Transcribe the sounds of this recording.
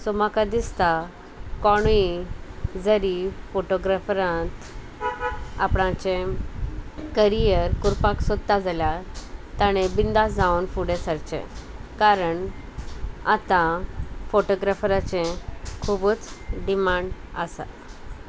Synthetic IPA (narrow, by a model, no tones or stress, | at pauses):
sɔmakad̪ist̪a | kɔɽ̃i | d͡zəɾifoʈoɡɾafɾãt̪ | a̰pɽ̃ãt͡ɕẽ | kəɾijəɾkuɾpaksəd̪t̪ːad͡zaljat̪aɽ̃ebind̪asd͡zawnfuɽesəɾt͡ɕḛ̃kaɾəɳ | a̰t̪ãfoʈoɡɾafɾat͡ɕẽkʰubət͡sɖimaɳɖasa̰